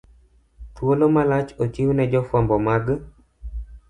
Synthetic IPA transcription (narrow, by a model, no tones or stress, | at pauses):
t̪wolomalat͡ʃot͡ʃiwnɛd͡ʒɔfambɔmaɡ